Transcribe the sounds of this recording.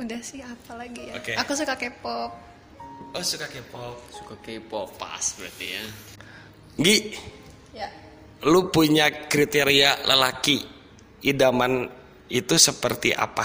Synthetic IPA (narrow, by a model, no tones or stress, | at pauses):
udahsɪhapalaɡiokeakus̬ukakepɔp̚ | ɔsukakeipɔp̚sukakaipɔpa̰sbəɾat̪ija | ɡiʔ | lupuɲakɾit̪eɾialə̰laki | idaman | it̪usəpərt̪iʔa̰pa